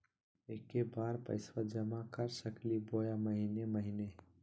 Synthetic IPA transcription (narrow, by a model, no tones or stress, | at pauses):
eːkːebaːɾpə̰ɪswad͡ʒəmakəɾsəkliboːjaməɦineməɦine